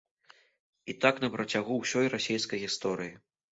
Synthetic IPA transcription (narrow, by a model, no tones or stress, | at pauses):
it̪aknɐpɾɐt͡sʲaɣuwsʲɔjrasʲejskɐjɣʲist̪ɔɾɨji